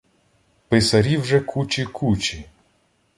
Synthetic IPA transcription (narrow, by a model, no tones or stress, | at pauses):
pɪsɐɾʲiwʒɛkʰut͡ʃikʰut͡ʃi